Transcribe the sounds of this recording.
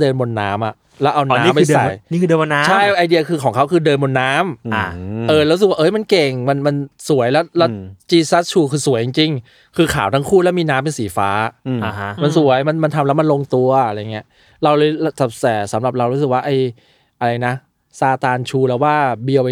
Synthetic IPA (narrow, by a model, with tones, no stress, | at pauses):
dɤː˧nmo˧nːaː˦˥mʔa̰˨˩ʔ | lɛː˦˥wʔa˧wn˧a˦˥˦mpːa˧jsa˨˧˩jiː˥˩kʰɯː˧dəː˧mo˧nːa˦t͡ɕʰa˥˩jʔa˧jdi˧ɐkʰɯː˧kʰɔː˩˦kʰa˦˥wkʰɯː˧dɤː˧nmo˧nːaː˦˥ma˨˩ʔɤː˨˩ɾɾs̚wa˥ʔɤ˦˥jma˧nke˨˩ŋma˧nma˧nsu˨˩˦əjlɛː˦˥wlɛː˦˥t͡ɕiː˧sa˦˥t̪̚t͡ɕʰuː˧kʰɯː˧su˩˦ji˧ŋt͡ɕi˧ŋ | kʰɯː˧kʰaː˩˦wt̪ʰaː˦˥ŋkʰuː˥˩lɛː˦˥wmiː˧naː˦˥mpe˧nsiː˩˦fa̰ː˦˥a˧˩ɦma˧nsu˩˦jma˧nma˧nt̪ʰa˧mlɛ˦˥wma˧nlo˧ŋt̪u˧ɐɐa˧ɾa˧jŋːi˦˥ɐ | ɾa˧wlːlta˨˩p̚sɛː˩sa˩˦mɾa˨˩p̚ɾa˧wɾuː˦˥sɯ˨˩k̚waː˥˩ʔa˧j | ʔa˧ɾa˧jna˦˥ | saː˧t̪aː˧nt͡ɕʰuː˧lɛː˦˥waː˥˩bi˧əwpa˧